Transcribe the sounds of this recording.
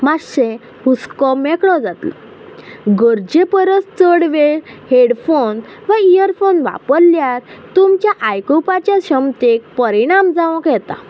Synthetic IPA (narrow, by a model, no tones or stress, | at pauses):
maɕẽ | huskɔmɛkɽɔd͡zat̪lɔ̰ | ɡəɾd͡ʑepəɾəst͡səɽʋeheɽfonʋəijəɾfonʋa̰pəɾljaɾt̪umt͡ɕjaʔajkopat͡ɕjaɕəmt̪ek̚pəɾiɽ̃amd͡zaʋɔ̃kjɛt̪a̰